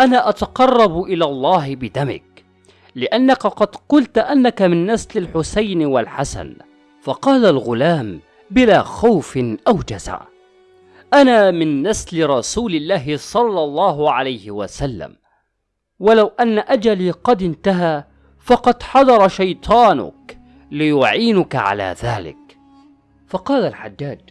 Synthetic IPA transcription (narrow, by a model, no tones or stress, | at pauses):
ʔanaːʔat̪ɑqɑrˤːɑbʔɪlaːlˤːɑːɦɪbɪd̪amɪ̰k̚ | lɪʔanːakaqɑd̪qʊlt̪ʔanːakamɪnːaslɪlħʊsajnwalħasa̰n | fɑqɑːlalɣʊlaːm | bɪlaːxawfɪʔawd͡ʒaza̰ʕ | ʔanaːmɪnːaslɪɾˤɑsuːlɪlːaːɦɪsˤɑlːɑlˤːɑːɦʊʕalajhɪwasalːa̰m | walawʔanːaʔad͡ʒaliːqɑd̪ɪnt̪aɦaː | fɑqɑd̪ħɑd̪ˤɑɾˤɑʃajt̪ˤʰɑːnʊ̰k | lɪjʊʕiːnʊkaʕa̰la̰ːðaːlɪ̰k̚ | fɑqɑːlalħad͡ʒːaːd͡ʒ